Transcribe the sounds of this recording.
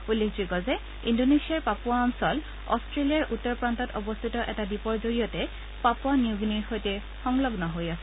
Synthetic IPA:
ulːekziɡɔzɛ | indonesiaɹpapʊaːmsɔl | ɔ̰stɹelijaɹʔutːɔɹpɹantɔtɔbɔst̪ʰitɔʔɛtadipɔɹzoɹijɔtɛ | papwaniuɡniɹxojtɛ | xɔŋlɔɡnɔɦojasɛ

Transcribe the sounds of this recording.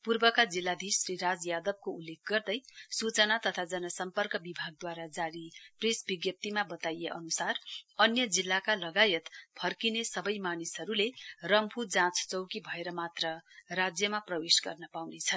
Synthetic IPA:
purbʌkad͡zilːad̪isriɾad͡zjad̪ʌb̚koulːek̚ʰɡʌrd̪ʌjsut͡sʌnat̪ʌt̪ʰad͡zʌnʌsʌmpʌrkʌbibʱaɡ̚d̪waɾad͡zaɾipresbiɡjʌp̚t̪imabʌt̪ajeʔʌ̰nusarʌnjʌd͡zilːakalʌɡajʌt̪pʰʌrkinesʌbʌjmanisɦʌɾulerʌmpʰud͡zãt͡st͡sʌwkibʱʌeɾʌmat̪rʌrad͡zjʌmaprʌwesɡʌ̰rnʌpawnet͡sʰʌn

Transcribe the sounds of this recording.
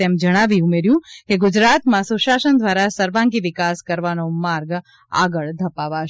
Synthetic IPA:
ɛmd͡ʒəɽ̃aʋiumeɾjũkeɡud͡ʒɾat̪mãsuʃasənd̪ʋaɾasəɾʋãŋɡiʋɪkaskəɾʋanomaɾɡ | a̰ɡəɭd̪ʱəpaʋaʃ

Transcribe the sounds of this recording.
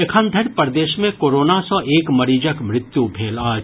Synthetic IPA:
ekʰənd̪ʱəɽpɐɾd̪eːʃmẽkoːɾoːnasɔ̃ʔeːkmɐɾiːd͡ʒəkmɾɪt̪jubʱeːlaːd͡ʒ

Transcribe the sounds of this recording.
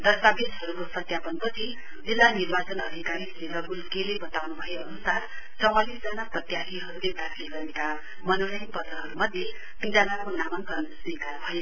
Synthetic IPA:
d̪ʌsabed̪ɦʌɾukosʌt̪japʌnpʌt͡sʰi | d͡zilːanirbat͡sʌnʌd̪ʱikaɾiseɾʌɡulkelebʌt̪awnubʱʌjoʌnusaɾ | t͡sʌw̃alisd͡zʌnaprʌt̪jat̪iɦʌɾuled̪akʰleɡʌɾeka | mʌnoɽʌjnpʌt̪ʌɦʌɾumʌd̪ʱje | t̪ind͡zanakonamaŋkʌnsunekaɾbʱʌjo

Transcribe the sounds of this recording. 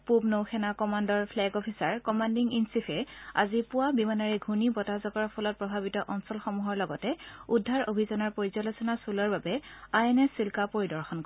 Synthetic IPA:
pubnowxʰɛnakɔmandɔɹpʰlɛɡɔpʰisaɹkɔmandiŋinsipʰɛa̰zipʊwabimanaɹɛɡʱunibɔtazɔɡɔɹpʰɔlɔt̚pɹɔbʱabitɔʔɔnsɔlxɔmuɦɔɹlɔɡɔtɛudʱːaɹobʱizɔnɔɹpoɹizɔlosɔnasulɔɹbabɛajɛnɛsilkapoɹidɔɹxɔnk

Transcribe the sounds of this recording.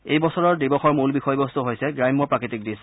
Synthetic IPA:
ejbɔsɔɹɔɹdibɔxɔɹmulbixɔjbɔst̪uɦojsɛɡɹajmːɔpɹakɹitik̚dis

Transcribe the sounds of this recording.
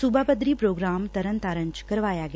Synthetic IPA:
subʱaːpəd̪ɾiːpɾoːɡɾaːmt̪ɐɾə̃nt̪aːɾə̃ɲt͡ʃkɐɾʋaːjaɡ

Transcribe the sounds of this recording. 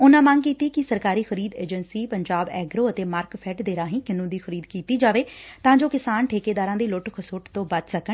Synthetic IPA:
ʊnãːmə̃ŋɡkiːt̪iːkɪsəɾkaːɾiːxəɾiːd̪eːd͡ʒənsiːpəɲd͡ʒaːbɛːɡɾoːət̪eːmaːɾkpʰɛːʈd̪eːɾaːɦĩːkɪnũːd̪iːxəɾiːd̪kiːt̪iːd͡ʒaːʋeːt̪ãːd͡ʒoːkɪsaːnʈʰeːkeːd̪aːɾãːd̪iːlʊʈkʰəsoːʈt̪õːbəd̪səkə

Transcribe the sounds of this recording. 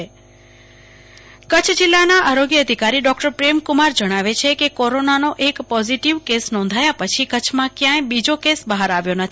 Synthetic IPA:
e | kət͡ʃʰd͡ʒilːanaʔaɾoɡjəəd̪ʱikaɾiɖɔkʈəɾpɾemkumaɾd͡ʒəɽ̃aʋet͡ʃʰekekɔɾonanoʔekpɔziʈiʋkesnɔ̃nd̪ʱajapət͡ʃʰikət͡ʃʰmãkjãjbid͡ʒokesbəɦaɾaʋjonət̪ʰ

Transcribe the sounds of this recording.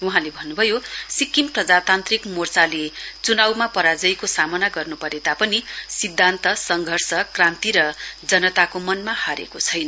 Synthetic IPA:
uɦãlebʱʌnːubʱʌjosikːimprʌd͡zat̪ant̪rikmort͡salet͡sunawmapʌɾad͡zʌjkosamʌnaɡʌrnupʌɾet̪apʌnisid̪ʱːant̪ʌsʌŋɡʱʌrsʌkrãnt̪iɾʌd͡zʌnʌt̪akomʌnmahaɾḛkot͡sʰʌjnʌ

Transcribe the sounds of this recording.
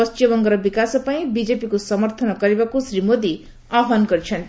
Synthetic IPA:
ʌst͡ʃjʌbʌŋɡʌɾʌbikasʌpaĩbid͡zepikosʌmʌrt̪ʰʌnʌkʌɾebakosrimod̪i | aɦanɡʌɾit͡ʃʰʌn

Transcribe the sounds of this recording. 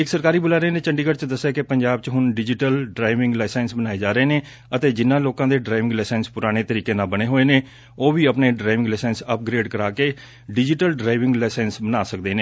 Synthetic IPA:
ɪksəɾkaːɾiːbʊlaːɾəeːnẽːt͡ʃəɳɖiːɡəɾt͡ʃd̪əsːeːkepəɲd͡ʒaːbt͡ʃɦʊnɖɪd͡ʒɪʈəlɖɾaːɪʋɪ̃ŋɡlaːsɛːnsbənaːeːd͡ʒaːɾəeːneː | ət̪eːd͡ʒɪnːãːloːkãːd̪eːɖɾaːɪʋɪ̃ŋɡlɛːsɛːnspʊɾaːɽ̃eːt̪əɾiːkẽːnaːbəɽ̃eːɦoːeːneː | oːʋiːəpneːɖɾaːɪʋɪ̃ŋɡlɛːsɛːnsəp̚ɡɾeːɖkəɾaːkeː | ɖɪd͡ʒɪʈəlɖɾaːɪʋɪ̃ŋɡlɛːsɛːnsbənaːsəkd̪eːneː

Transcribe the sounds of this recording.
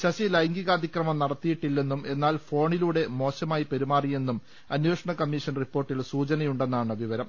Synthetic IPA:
ɕɐɕilɐjŋɡiɣɐɐd̪ʱikrɐmɐmnɐɽɐt̪ːijiʈːilːe̞nːume̞nːaːlfo̞ːɳiluːɽe̞mo̞ːɕɐmaːjipeɾimaːrije̞nːum | ɐnjeːʂɐɳɐkɐmːiʂɐnripːo̞ːrʈːilsuːd͡ʑɐnɐjuɳɖe̞nːaːɳɨʋiʋɐɾɐm

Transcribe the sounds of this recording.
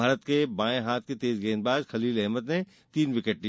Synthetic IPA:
aːɾət̪kebãːẽɦaːt̪̚ʰket̪eːzɡẽːnbaːd͡ʒxɐliːlɛɦməd̪ne | t̪iːnʋɪkəʈ̚ːi

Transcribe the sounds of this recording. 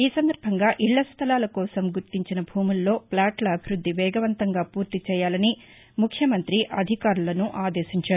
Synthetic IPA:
iːsɐnd̪ɐɾbʱɐŋɡaːʔiɭːɐst̪ʰɐlaːlɐkɔːsɐmɡuɾt̪iɲt͡ʃinɐbʱuːmulːo̞ːplaːʈlɐːbʱiɾud̪ʱːiʋɛːɡɐʋɐnt̪ɐŋɡaːpuːɾt̪it͡ʃɛːjaːlɐni | mukʰjɐmɐnt̪ɾiʔɐd̪ʱikaːɾulɐnuʔaːd̪eːʃiɲt͡ʃaːɾu

